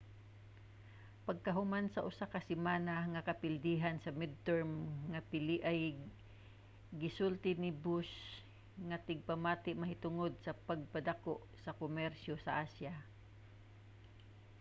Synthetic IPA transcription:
pɐɡ̚kɐɦʊmansɐʔʊsakɐsɪmaːnaŋɐkɐpɪld̪iːɦansɐmɪd̪̚t̪ɛɹmŋɐpɪlɪʔaj | ɡɪsult̪ɪnɪbus | ŋɐt̪ɪɡ̚pɐmaːt̪ɪʔmɐɦɪt̪ʊŋod̪̚sɐpɐɡ̚pad̪akoʔsɐkʊmɛɾʃosɐʔasja

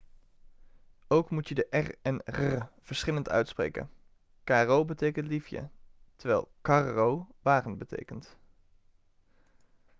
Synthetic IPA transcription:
owkmutədəʔɛrɛnrəv̥əɹsχɪləntœ̰ɥtsprḛjkə̰n | kaːrowbətejkəntlifjə̰təɹʋɛ̰ːlˠkɑrowʋaːχənbətḛjkənt

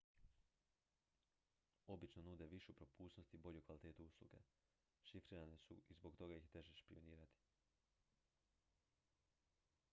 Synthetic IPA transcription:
o̞bit͡ʃnonuːd̪e̞ʋiʃupɾo̞puːsno̞st̪ibo̞ʎukʋalit̪eːt̪uuslˠṵɡḛ | ʃifɾiːɾanesṵizbo̞kt̪o̞ɡajixt̪e̞ʒeʃpio̞niːɾat̪i̥

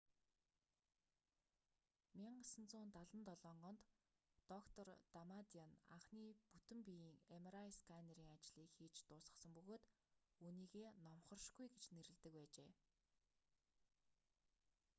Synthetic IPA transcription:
miɴɢsə̆nt͡sʊːnt̪aɮə̆nt̪ɔɮɔːɴɢɞ̆nt̪ː | ɔkt̪ʰɔrt̪amat̪iɔna̰ɴχniːput̪ɘ̆mpijiːŋemɾaiskʰaneɾiːŋat͡ɕɮiːkxiːt͡ɕt̪ʊːsʁə̆sə̆mpɵɣoːt̪ | uniːɣeːnɔmχɞ̆rʃɡujɡet͡ɕneɾɘ̆ɮt̪ɘ̆kpæːt͡ɕeː

